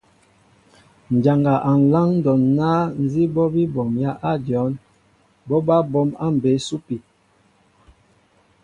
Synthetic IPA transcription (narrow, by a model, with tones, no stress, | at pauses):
n̩˨d͡ʒa˨ŋɡa˨ʔa˨n̩˨la˦ŋn˦dɔ˨nːaː˦n˦zi˦bɔ˦bi˦bɔ˨mja˦ʔa˦˨djɔ˨˦n | bɔ˦ba˦bɔ˦ma̰˦m̩˨be˨˦su˦pi˨